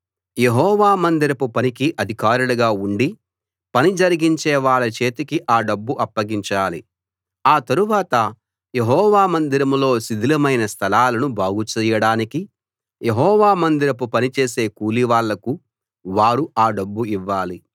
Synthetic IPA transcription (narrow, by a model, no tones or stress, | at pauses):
jeɦɔːʋaːmɐnd̪iɾɐpupɐnikiʔɐd̪ʱikaːɾulɐɡaːuɳɖi | pɐnid͡ʒɐɾiɡiɲt͡ʃɛːʋaːɭɐt͡ʃe̞ːt̪ikiʔaːɖɐbːuʔɐpːɐɡiɲt͡ʃaːli | aːt̪ɐɾuʋaːt̪ɐ | je̞ɦɔːʋaːmɐnd̪iɾɐmlo̞ːsid̪ʱilɐmɐjnɐst̪ʰɐlaːlɐnubaːɡut͡ʃɛːjɐɽaːniki | je̞ɦɔːʋaːmɐnd̪iɾɐpupɐnit͡ʃe̞ːse̞ːkuːliʋaːɭːɐku | ʋaːɾuʔaːɖɐbːuiʋːaːli